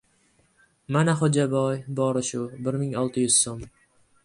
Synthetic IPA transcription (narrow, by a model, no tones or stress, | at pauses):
manaχod͡ʒabɒjbɒɾɪʃʊbɪɾmɪŋɒlˠt̪ʰɪjʏz̥som